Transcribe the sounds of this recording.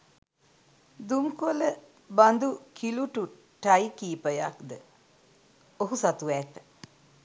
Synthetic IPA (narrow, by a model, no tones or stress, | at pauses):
d̪uŋkolə | band̪ukʰiluʈu | ʈajkiːpəja̰kd̪ə | oɦusat̪uʋɛːt̪ə̥